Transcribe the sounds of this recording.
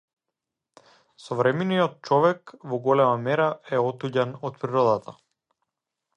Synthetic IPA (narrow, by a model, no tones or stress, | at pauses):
sɔvɾɛminijɔt̪̚t͡ʃɔvɛkvɔɡɔlɛmamɛɾaɛɔt̪uɟanɔt̪̚pɾiɾɔd̪at̪ʰa